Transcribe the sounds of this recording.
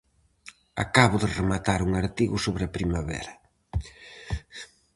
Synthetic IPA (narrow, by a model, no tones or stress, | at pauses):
a̰kaβʊðɪremat̪aɾuŋaɾt̪iɣʊsoβɾɐpɾimaβɛ̰ɾɐ